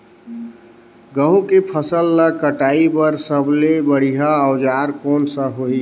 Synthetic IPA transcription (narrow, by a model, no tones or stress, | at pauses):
ɡəɦũkepʰəsəlːəkəʈaːipəɾsəblebəɽ̤iɦaəːd͡ʒaːɾkɔːnsəɦoi